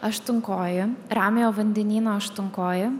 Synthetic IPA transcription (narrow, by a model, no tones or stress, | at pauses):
ɐʃt̪ʊŋkoːjɪɾɑːmʲejoːʋɐnʲd̪ʲɛnʲiːnoːɐʃt̪ʊŋkoːjɪ